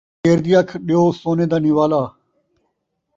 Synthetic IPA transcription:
eːɾd̪iːɐkʰɗijoːsoːneːd̪aːniʋaːlaː

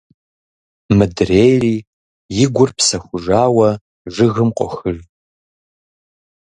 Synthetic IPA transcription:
mɨdrejriː | jɪɡʷʊrpsɐxʷʊʒaːwɐ | ʒɨɣɨmqʷʼɔ̰xɨri

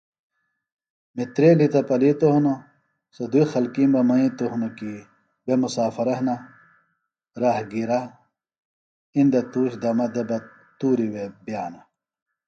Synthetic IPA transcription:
mit̪ɾeːlit̪ɐpɐlit̪oɦnɐ | sɐd̪uixɐlkimbɐmɐĩt̪oɦunɐki | bemusaːfɐɾɐɦnɐ | ɾaːhɡiɾa | ind̪ɐt̪uːɕd̪ɐmɐd̪ɐbɐ | t̪uːɾiwebijaːnɐ

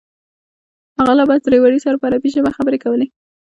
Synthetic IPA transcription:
haɣalabɑt̪ɾewaɽisaɾapəaɾapiʒabaxabəɾekawəle

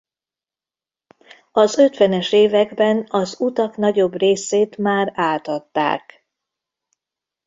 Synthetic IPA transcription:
ɒzøt̪ʋɛnɛʃeːvɛɡbɛnɒzut̪ɒkn̪ɒɟo̞breːseːt̪maːraːt̪ɒt̪ːa̰ːk

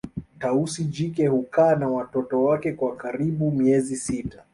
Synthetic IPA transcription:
tausid͡ʒikɛhukaːnawatɔtɔwakɛkwakaɾiɓumiɛzisita

